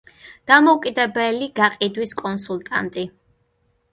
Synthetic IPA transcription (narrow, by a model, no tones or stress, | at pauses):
d̪̥amɔukʼid̪ɛbɛliɡaqʼid̪wiskʼɔnsulˠt̪ʼa̰nt̪ʼi